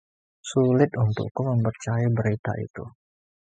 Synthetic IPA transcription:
sulɪt̪unt̪ʊ̰kuməmpərt͡ʃajabəɾit̪a̰ʔḭt̪ṵ

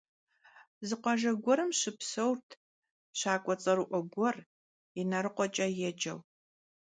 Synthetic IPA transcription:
zɨqʷɔʒɐɡʷɔɾɨmɕɨpsɐwrtʰ | ɕaːkʷʼɔt͡sʼɐɾɨʔʷɔɡʷɔr | inɐɾɨqʷɔt͡ʃʼɐjɛd͡ʒɐw

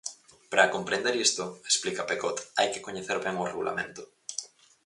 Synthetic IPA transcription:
pɾakompɾend̪eɾist̪ʊesplikɐpekot̪ajkɪ̥koɲeθeɾβɛŋoreɣulʔa̰mẽnt̪ʊ̥

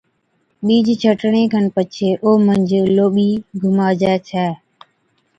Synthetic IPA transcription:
ɓiːd͡ʒt͡ʃʰəʈɳẽːkʰənpət͡ʃʰeːʔoːmənd͡ʒʱloːɓiːɡʱʊmaːd͡ʒaːt͡ʃʰɛː

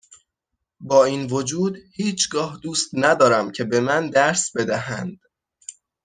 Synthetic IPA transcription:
bɒːiːnvo̞d͡ʒuːd̪hiːt͡ʃʰɡɒːhd̪uːst̪næd̪ɒːɾæmcʰe̞be̞mænd̪æɾsbe̞d̪æhænd̪̥

